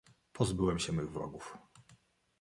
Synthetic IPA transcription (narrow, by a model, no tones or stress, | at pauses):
pʰɔzbɘwɛmɕɛmɘɣvɾɔ̰ɡuf